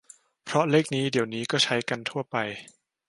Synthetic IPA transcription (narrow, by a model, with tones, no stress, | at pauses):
pʰɾɔ˦˥leː˥˩k̚niː˦˥di˨˩˦əwniː˦˥kɔː˥˩t͡ɕʰa˦˥jka˧nt̪ʰu˥˩ɐpa˧j